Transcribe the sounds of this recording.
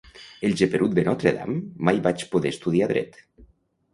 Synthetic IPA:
elʒepeɾʔut̪̚d̪enɔt̪ɾeða̰mːajβat͡ʃpoðest̪uð̞iaðɾɛ̰t̪

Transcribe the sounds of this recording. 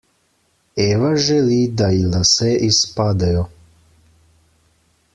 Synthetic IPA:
ɛːʋaʒɛliːd̪ailasɛʔispaːd̪ajɔ

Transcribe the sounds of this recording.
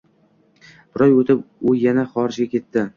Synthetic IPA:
b̥ɪɾɒjot̪ʰɪpʊjanaχɒɾɪd͡ʒɡʲakʲe̞t̪ːɪ

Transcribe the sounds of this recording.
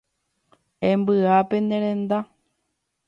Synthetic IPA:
ẽmbɨapend̪ẽɾ̃ẽnd̪a

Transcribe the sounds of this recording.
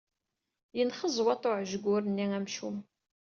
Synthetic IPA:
jənχəzˤwɑt̪ˤoʕʒəɡʷʊɾənːiæmʃum

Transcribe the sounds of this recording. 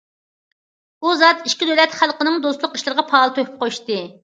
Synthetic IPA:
buzɑt̪iʃkʲid̪ølɛt̪χælˠqənɨŋd̪oslˠʊqiʃlˠɨɾəʁɑpʰɑːlˠɨt̪ʰøkʰy̥p̚qʰoʃt̪ɨ

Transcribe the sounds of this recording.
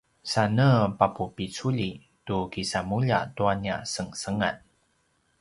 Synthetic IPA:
sanəpapupit͡suʎi | tukisamuʎa̰tuania̰səŋsəŋa̰t̚

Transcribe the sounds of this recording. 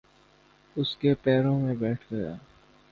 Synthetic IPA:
ʊskepɛːɾõmẽbɛːʈʰɡɐja̰ː

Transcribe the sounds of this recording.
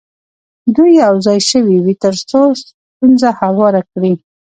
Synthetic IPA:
d̪ujːawzɑjʃəwiwit̪əɾsos | t̪unzahawɑɾakɽi

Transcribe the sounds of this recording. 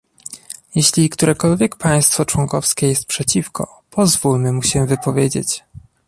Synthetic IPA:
jɛɕlʲikt̪uɾɛkɔlvʲjekpaj̃st̪fɔt͡ʂwɔŋkɔfskʲɛjɛst̪̚pʂɛt͡ɕifkɔ̰ | pɔzvulmɘmuɕɛvɘpɔvʲjed͡ʑḛt͡ɕ

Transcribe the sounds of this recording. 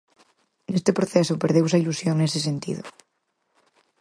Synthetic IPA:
nest̪epɾoθesopeɾðews̬ailusjoŋnesesent̪ḭðo̰

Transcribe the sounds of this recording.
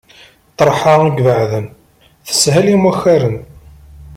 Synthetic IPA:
t̪ˤɾˤħɑiɡvəʕðən | θə̥shælimæxːæɾən

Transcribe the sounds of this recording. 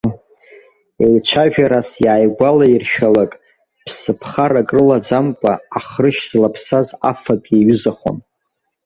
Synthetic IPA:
ejt͡ʃʷʰaʒᶣaɾasjaːjɡʷalairʃᶣalakʼ | pʰsɨpʰχaɾakʼrɨlad͡zamkʷʼaːχrɨʃz̥lapʰsaza̰fapʼeɥʏzaχo̰n

